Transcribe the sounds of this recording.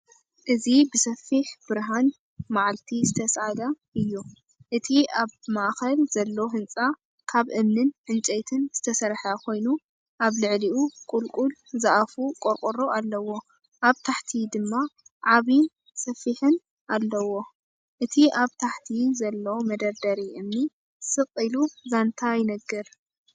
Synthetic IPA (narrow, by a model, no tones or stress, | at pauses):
ʔɨzibɨsɐfːiħb̥ɨɾɦan | maʕalt̪ʰizɨt̪ʰɐsad̪ɐʔɨjːu | ʔɨt̪ʰiaβmaʔxɐlz̥ɐlːoɦɨnt͡sʼa | kʰaβʔɨmnɨnʕɨnt͡ʃʼejt̪ʰɨnz̥ɨt̪ʰɐsɐɾħakʰo̞jnu | ʔaβlɨʕliʔukʼulkʼulzaʔafukʼoɾkʼoɾoalːɐwo̞ | ʔaβt̪ʰaħt̪ʰid̪ɨmːaʕaβin | sɐfːiħɨn | ʔalːɐwo̞ | ʔɨt̪ʰiʔaβt̪ʰaħt̪ʰizɐlːomɐd̪ɐɾd̪ɐɾiʔɨmni | sɨqʼiluzant̪ʰajnɐɡːɨɾ